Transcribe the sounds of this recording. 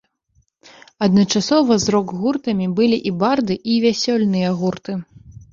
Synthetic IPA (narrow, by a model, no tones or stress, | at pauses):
ɐd̪nɐt͡ʂasɔvɐzɾɔɡɣurt̪ɐmʲibɨlʲiʔibard̪ɨʔivʲasʲɔlʲnɨjɐɣurt̪ɨ